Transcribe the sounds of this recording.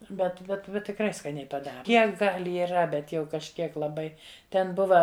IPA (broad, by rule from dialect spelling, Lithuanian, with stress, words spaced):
bʲɛt bʲɛt ˈbʲɛt tʲɪkˈrɐɪ skɐˈnʲɛɪ pɐˈdɑːrɐ ˈkʲiɛk ɡɐlʲ ɪˈrɐ ˈbʲɛt jɛʊ kɐʃʲˈkʲiɛk lˠɐˈbɐɪ ˈtʲɛn ˈbʊʋɐ